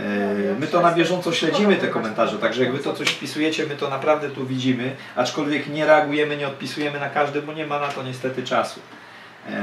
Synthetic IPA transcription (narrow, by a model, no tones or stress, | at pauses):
mɘt̪ɔnabʲjɛʐɔnt̪sɔɕlɛd͡ʑimɘt̪ɛkɔmɛnt̪aʐɛt̪aɡʐɛjaɡvɘt̪ɔt̪sɔɕfpʲisujɛt͡ɕɛmɘt̪ɔnapɾavd̪ɛt̪uvʲid͡ʑimɘ | at͡ʂkɔlvʲjɛkɲɛɾɛaɡujɛmɘɲɛɔt̪̚pʲisujɛmɘnakaʐd̪ɛbɔɲɛmanat̪ɔɲɛst̪ɛt̪ɘt͡ʂasṵ